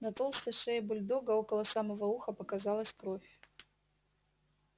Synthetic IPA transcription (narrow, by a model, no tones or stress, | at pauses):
nɐt̪olˠst̪ɐʂɐjɐbʊlʲd̪oɡəokɐlˠɐsamɐvɐuxɐpɐkazalˠəsʲkɾofʲ